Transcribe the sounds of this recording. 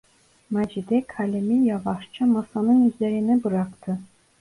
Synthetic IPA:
mad͡ʒid̪ɛkʰalʲimijɑvɑʃt͡ʃʰɯmasɑnɯnyzleɾinibɯɾakt̪ʰɯ

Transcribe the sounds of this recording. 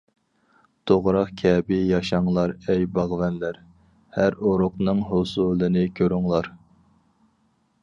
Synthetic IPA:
t̪ʰoʁɾɑqkʲʰɛːbɪjɑʃɑŋlˠɑɾɛjbɑʁvɛnlæɾ | hæɾoɾʊqnɨŋɦosulˠɨnɨkʲʰøɾuŋlˠɑɾ

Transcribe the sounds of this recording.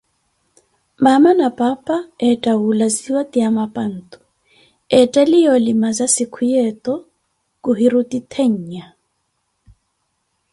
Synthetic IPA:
mamanapʼapʼaɛtʼaulaziwatʼiamapʼan̩ːt̪ʼu̥ | ɛtʼalijɔlimazasikʰujɛt̪ʼɔ | kʼuɦiɾut̪ʼit̪ʰeɲ̩ɲa

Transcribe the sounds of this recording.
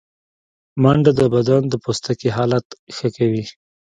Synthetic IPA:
maɳɖad̪əbad̪ɑnd̪əpost̪akeɦɑlat̪xəkawi

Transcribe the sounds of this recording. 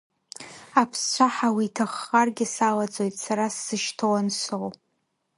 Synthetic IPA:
apʰst͡ʃʷʰaħawitʰaχːarɡʲɪsalat͡sʼojtʼsaɾasːɨʃtʰowanʃʷow

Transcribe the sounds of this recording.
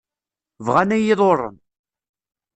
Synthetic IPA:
vʁænæjɪðˤorˤːə̰n

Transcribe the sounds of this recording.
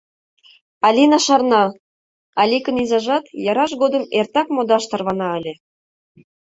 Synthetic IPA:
ɑlʲinɑʃɑrnɑ | ɑlʲikənizɑʒɑt̪jɑɾɑʃɣod̪ə̆mert̪ɑkmod̪ɑʃt̪ɤ̆rβɑnɑəlʲĕ

